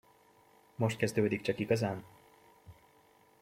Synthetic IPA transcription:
mo̞ʃt̪̚kɛzd̪øːd̪ik̚t͡ʃɒkiɡɒzaːn

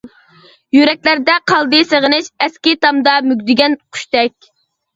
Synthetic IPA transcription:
jyɾɛk̚ʲlæɾd̪ɛqʰɑlˠd̪ɨseʁənɪʃɛskʲit̪ɑmd̪ɑmyɡʲd̪ɪɡʲɛnqʰy̥ʃt̪ɛkʲ

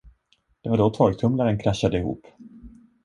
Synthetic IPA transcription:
d̪̥ɛvaɖɔt̪ʰɑːɡt̪ʰɵmlaɾənkʰɾaʃːad̪əɪhṵːp

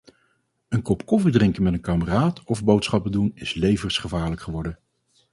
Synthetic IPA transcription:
ənkɔpkɔfidrɪŋkənmɛtənkaːməraːtɔvbowtsχɑp̚ədunɪslejvərsχəvaːɹləkχəʋɔɹdə

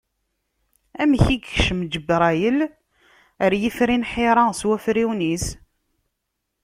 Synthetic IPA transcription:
æmçiɡxʃəmd͡ʒəbɾˤæjəl | əɾjifɾinħiɾˤɑswæfɾiwnis

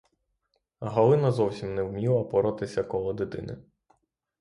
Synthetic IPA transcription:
ɦɐlˠɪnɐzɔwsʲimnɛwmʲiwˠɐpɔɾɔt̪ɪsʲɐkɔlˠɔd̪ɪt̪ɪ̰nɪ̰

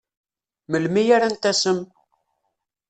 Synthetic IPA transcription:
məlmijaɾant̪æsəm

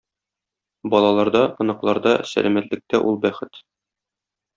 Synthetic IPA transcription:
bɒlˠɑlˠɑɾd̪ɑɤ̆nɤ̆qlˠɑɾd̪ɑsæ̰lʔæmæt̪lɘ̆k̚t̪æʔulˠbæχɘt̪

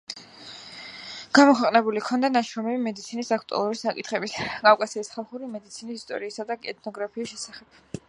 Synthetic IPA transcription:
ɡ̥amɔkʰwɛqʼnɛbulikʰɔnd̪anaʃɾɔmɛbimɛd̪it̪sʰinisakʰt̪ʼṵa̰lˠuɾisakʼḭt̪ʰχɛbiskʼakʼasiːsχalˠχuɾimɛd̪it̪sʰinisist̪ʼɔ̰ɾiːsad̪akʼɛ̰t̪̚ʰnɔɡɾapʰiːsʃɛsaχɛb̥̚

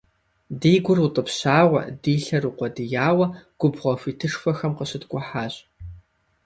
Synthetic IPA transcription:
diːɡʷʊrutʼəpɕaːʁʷɐ̰diːɬɐruqʷɔdɨjaːwɐɡ̥ʷʊbʁʷɔfiːtʰɨʂfɐxɐmqəɕɪtɡʷʼʊħaːɕʼ

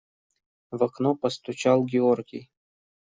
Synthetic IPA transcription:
vɐknɔpəst̪ʊt͡ɕalˠɡʲɪorɡʲḭj

